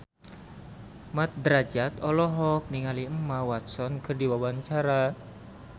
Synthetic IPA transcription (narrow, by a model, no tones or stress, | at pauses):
mat̪̚d̪ɾad͡ʒat̪ɔlɔɦɔk̚niŋaliəmawat̪̚sɔnkɨrdiwawaɲt͡ʃaɾa